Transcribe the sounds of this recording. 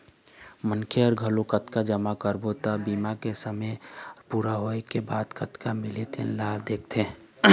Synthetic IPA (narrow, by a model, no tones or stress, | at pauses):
mənkʰeɔɾɡʱəlokət̪kad͡ʒəmakəɾbot̪abiːmakesəməpuːɾaɦoekebaːd̪kət̪kamɪlet̪ʰḛnlaːld̪eːk̚ʰt̪ʰẽː